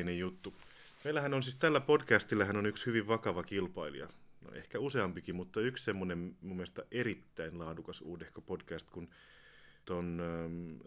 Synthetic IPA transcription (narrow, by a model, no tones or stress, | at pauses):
nejjut̪ːu | meilːˑæhænonsiːst̪ælːæpodkæst̪ilːæhænonykshyʋiʋʋɑkɑʋɑkilpɑilṵjɑ̰no̰ʔḛhkæuseɑmpikimut̪ːɑykssemːonemmumːiest̪ɑʔeɾit̪ːæinlɑːdukɑsṵːdehkopodkæst̪kun | t̪on